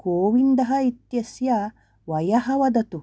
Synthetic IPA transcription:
koːʋind̪ɐɦɐit̪jɐsjɐ | ʋɐjɐɦɐʋɐd̪ɐt̪u

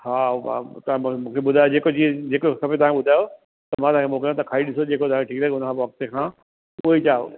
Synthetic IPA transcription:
ha̰ːt̪ɐãm̃mũːkʰeɓʊd̪ʱaːjod͡ʑeːkod͡ʑied͡ʑeːkosɐbet̪ɐʋ̤ɦãkʰeɓʊd̪ʱaːjo | t̪ɐmãt̪ɐʋãkʰemʊ̃kə̃t̪ɐkʰaːiɗɪsod͡ʑeːkot̪ɐʋãkʰeʈʰiːk̚t̪ʰɛeʊnəkʰãpɐk̚t̪ekʰãː | ʊɦet͡ɕaːo̰

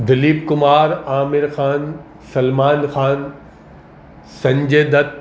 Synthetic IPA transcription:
d̪ɐliːbkʊmaːɾaːmɪɾxaːn | sɐlmaːnxaːn | sɐ̃ɲd͡ʑeːd̪ɐt̪̚

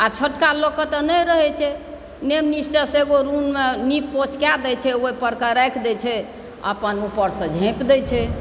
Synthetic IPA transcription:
at͡ʃʰəʈkalokət̪ənəjɾəɦɛt͡ʃʰɛ | nemnisʈəseɡoɾunmenippot͡ʃkjad̪ɛt͡ʃʰɛoipəɾkaɾɛkʰd̪ɛt͡ʃʰɛ | ə̰pənupəɾsə̃d͡ʒʱẽpd̪ɛt͡ʃʰɛ

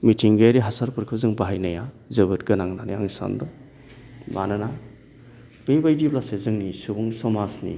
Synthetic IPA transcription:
mitʰiŋɡeɾiɦasaɾpʰɯɾkʰɯzɯŋbaɦajnaja | zɯbɯt̚ɡɯnaŋnanjaŋsa̰ndɯ | manɯna | b̥ebajdiblasezɯŋnisubɯŋsɔmasnḭ

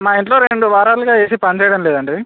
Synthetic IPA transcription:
maːiɳʈloːɾeɳɖuʋaːɾaːluɡaːeːsipɐɲt͡ʃɛːjɐɽɐmleːd̪ɐɳɖi

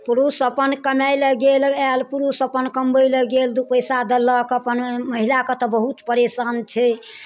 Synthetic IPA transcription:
puɾusəpənkəmɛjləɡelɛlpuɾusəpənkəmbəjləɡeld̪upəjsad̪ələkəpənməɦilakət̪əbəɦut̪pəɾesənt͡ʃʰɛ

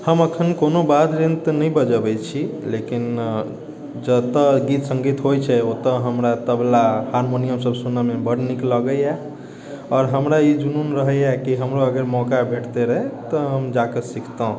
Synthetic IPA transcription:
həməkʰənkonobad̪ɾint̪nəĩbəd͡ʒəbɛt͡ʃʰi | lekin | d͡ʒət̪əɡit̪sə̃ŋɡit̪ɦojt͡ʃʰɛot̪əɦəmɾat̪əblahaɾmonijəmsəbsunamebəɽnikləɡəjɛ | ɔːɾɦəmɾaid͡ʒununɾəɦəɛkiɦəmɾoəɡəɾmɔkabʱeʈt̪eɾəɦɛet̪əɦəmd͡ʒakəsikʰt̪əɦ

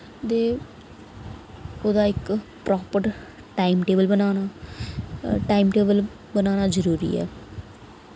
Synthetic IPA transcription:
t̪eː | ʊd̪aːɪk | pɾoːpəɾ | ʈaːimʈeːbəlbənaːnaː | ʈaːimʈeːbəl | bənaːnaːd͡ʒəɾuːɾḭːɛ̰ː

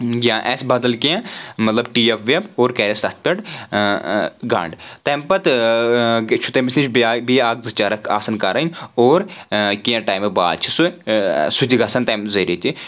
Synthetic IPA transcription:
ɡʲãːʔɛsbɐd̪ɐlkiãmɐt̪lɐbʈiːefʰʋeboːɾkɛːɾest̪ɐt̪̚ʰpʲeʈ | ɡɐ̰ːɳɖt̪eːmpɐt̪ | t͡ʃʰut̪emisnit͡ʃʰbbiaːɡ̚zɨt͡ʃaːɾɐkʰa̰ːsɐnkaːɾanoːɾkijãʈaːjmeba̰ːlt͡ʃʰi̥susut̪iɡaːsɐnt̪ɐːmzɐɾit̪i

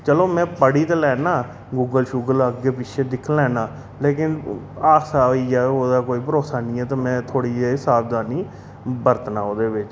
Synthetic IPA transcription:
t͡ʃəloːmɛ̃ːpəɽiːt̪eːlɛːnaː | ɡuːɡəlʃuːɡələɡeːpɪʃʰeːd̪ɪkʰlɛːnaː | leːkɪn | aːsaːiːɛːoːd̪aːkoːiːpəɾoːsaːnĩːɛːt̪aːmɛ̃ːt̪ʰoːɽiːeɦɪsaːbd̪aːniː | bəɾət̪naːoːd̪eːbɪt͡ʃ

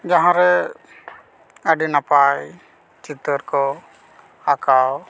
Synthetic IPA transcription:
d͡ʒaɦãɾɛ | əɖinapaj | t͡ʃit̪əɾkɔ | akaw

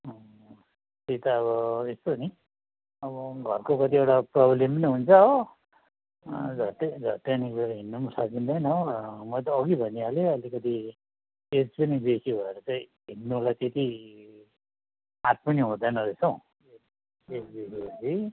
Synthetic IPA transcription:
t̪et̪ʌːβʌest̪oni | ʌbʌɡʱʌrkokʌt̪iewʈaprʌblempʌniɦunt͡sʰʌ | d͡zʱʌt̪ed͡zʱʌt̪ːenibeɾɦinːumsat͡sind̪ʌjnʌmʌjt̪̬ʌːɡibʱʌniɦaleʌlikʌt̪i | ed͡zpʌnibesibʱʌeɾʌt͡sʌĩ | ɦinːolajt̪et̪i | at̪̚pʌniɦũd̪ʌnʌesʌ̃w̃ | e | ed͡zbesibot͡sʰi

